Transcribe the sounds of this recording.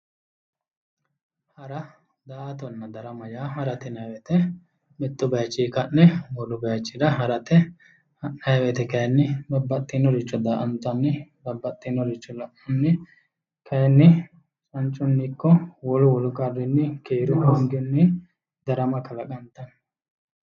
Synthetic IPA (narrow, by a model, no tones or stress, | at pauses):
hɐɾɐ | d̪aːt̪ɔnːɐd̪ɐɾɐmɐjaːɦɐɾɐt̪ɪnɐjwɛt̪ɛ | mɪt̪ːʊbɐjɐt͡ʃːiːkɐnːɛwɔlʊbɐjɐt͡ʃːɪd̪ɐɦɐɾɐt̪ɛ | hɐʔnɐjwɛt̪ɛkɐjɐnːɪbɐbːɐt̪ʼːɪnːɔɾɪt͡ʃːɔd̪aːʔɐnt̪ːɐnːɪbɐbːɐt̪ʼːinːɔɾɪt͡ʃːɔlɐʔɔnːɪ | kʰɐjɛnːɪ | t͡ʃʼɐnt͡ʃʼːʊnːɪkːɔwɔlʊwɔlʊkʼɐrːɪnːɪkeːɾʊhɔŋɡɔnːɪ | d̪ɐɾɐmɐkɐlɐkʼɐnt̪ːɐn